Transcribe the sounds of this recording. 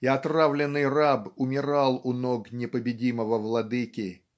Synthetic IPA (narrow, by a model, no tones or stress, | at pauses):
ɪɐt̪ravlʲɪnːɨjrabʊmʲɪɾalˠʊnoɡnʲɪpəbʲɪdʲiməvəvlˠɐd̪ɨkʲɪ